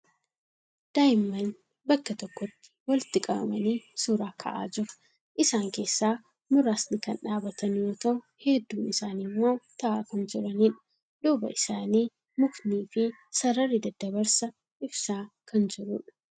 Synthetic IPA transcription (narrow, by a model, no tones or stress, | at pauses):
d̪̥aːjɪmːɐn | bɐkːɐt̪ɔkːɔt̪ːɪ̥wɐlɪt̪ːɪkʼɐbɐ̰mɐniːsuːɾaːkʰɐ̰ʔa̰ːd͡ʒɪɾɐ̥ | ʔɪsaːŋke̞ːsːaː | mʊɾaːsnɪkɐnᶑaːbɐt̪ɐnjoːt̪ɐʔʊ | hɛd̪ːuːmɪsaːnɪmːo̞ːt̪ɐʔaːkɐnd͡ʒɪɾɐniːᶑɐ̥ | d̪̥uːbɐ̰ʔɪsaːniː | mʊkniːfɪ | sɐɾɐrɪd̪ɐd̪ɐβɐɾsɐ | ʔɪbsaːkɐnd͡ʒɪɾʊᶑɐ̥